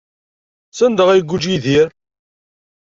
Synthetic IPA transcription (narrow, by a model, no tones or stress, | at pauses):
sænd̪əʁæjɡʷːud͡ʒiðiɾ